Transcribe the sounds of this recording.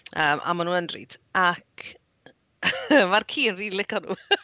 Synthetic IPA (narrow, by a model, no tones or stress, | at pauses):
əːmʔa̰manuːnəndrḭːdʰakʰ | markʰiːənriːlɪkɔnṵː